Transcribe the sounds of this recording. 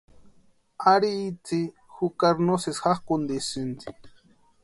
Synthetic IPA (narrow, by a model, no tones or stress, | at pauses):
aɾiːt͡si | xukaɾnosesxaχkund̪isɨnd̪i̥